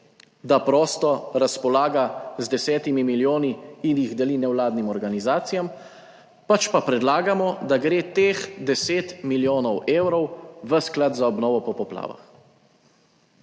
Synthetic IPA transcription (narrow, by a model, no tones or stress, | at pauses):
d̪apɾɔːst̪ɔɾaspɔlaːɡazd̪ɛsɛːt̪imimiljoːniːnjiɣd̪ɛlinɛwlaːd̪nimɔɾɡanizaːt̪sijam | pat͡ʃpapɾɛd̪laːɡamɔd̪aɡɾeːt̪exd̪ɛseːt̪miljoːnɔweːwɾɔwʋəsklat̪zaɔbnɔːʋɔpɔpɔpla̰ːʋa̰x